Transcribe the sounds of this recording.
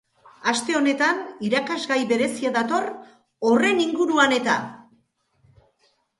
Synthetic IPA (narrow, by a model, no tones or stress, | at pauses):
ast̪e̞o̞ne̞t̪aniɾakazɡajβe̞ɾe̞siaðat̪o̞r | o̞re̞niŋɡuɾuane̞t̪a